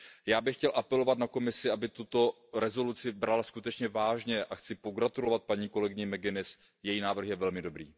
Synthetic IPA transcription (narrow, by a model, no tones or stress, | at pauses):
jaːbɪxcɛlʔapɛlo̞vat̪̚nako̞mɪsɪabɪt̪ut̪o̞ | ɾɛzo̞lut͡sɪbɾalskut̪ɛt͡ʃɲɛvaːʒɲɛʔaxt͡sɪpo̞ɡɾat̪ulo̞vat̪̚paɲiːko̞lɛɡɪɲɛmɛɡɪnɪs | jɛjiːnaːvr̩xjɛvɛlmɪdo̞bɾiː